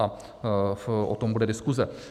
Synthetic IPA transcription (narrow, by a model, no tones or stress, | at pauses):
a | fʔo̰t̪ombudɛdɪskuzɛ